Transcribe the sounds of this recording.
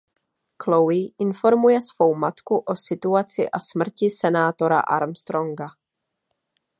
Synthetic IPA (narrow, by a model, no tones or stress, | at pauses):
klowɪʔɪnfo̞ɾmujɛsv̥o̞wmat̪kuʔo̞sɪt̪uat͡sɪ̰ʔasmr̩cɪsɛnaːt̪o̞ɾa̰ʔa̰ɾmst̪ɾo̞ŋɡa